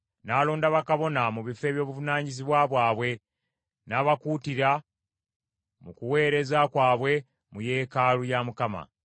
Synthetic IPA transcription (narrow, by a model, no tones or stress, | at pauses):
naːloːndaβakaβo̞namuβife̞ːβjo̞ːβuvunaːɲiziβwaβwaːβwe̞ | naːβakutiɾa | mukuwe̞ːɾe̞zakwaːβwe̞ | muje̞ːkaːlujamukama̰